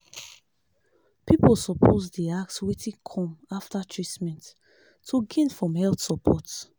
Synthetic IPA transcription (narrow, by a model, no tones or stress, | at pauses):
pipəlsɔpʰozdiakswitʰĩkʰɔ̃maftatʰɹitmɛ̃ntːʰ | uɡẽnfɹɔ̃mhɛlθsɔpʰɔt